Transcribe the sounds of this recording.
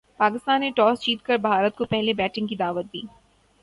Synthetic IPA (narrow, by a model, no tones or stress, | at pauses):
paːkɪst̪aːnːeʈɔːst͡ʃiːt̪kəɾbʱaːɾət̪̚kopɛɦlebɛːʈɪ̃ŋɡkid̪aːʋət̪̚d̪ḭː